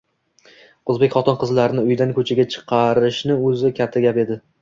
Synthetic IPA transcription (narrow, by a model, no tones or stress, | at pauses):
ɵzbekʲχɒt̪ɒnqʰɨzlaɾɪnɪʊjd̪ankʰɵt͡ʃʰaɡʲat͡ʃʰɨ̥qʰɑɾɪʃnɪɵzɪkʲʰat̪ʰːaɡʲape̞d̪ɪ